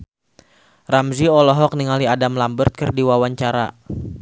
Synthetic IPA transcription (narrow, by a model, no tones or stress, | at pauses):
ramziɔlɔɦɔk̚niŋaliadamlambərt̪̚kɨrdiwawaɲt͡ʃaɾa̰